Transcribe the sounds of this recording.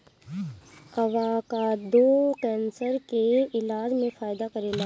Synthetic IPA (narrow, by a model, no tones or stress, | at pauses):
ɐʋakad̪oːkɛ̃ːnsəɾkeɪlaːd͡ʒmẽfaːɪd̪akɐɾeːla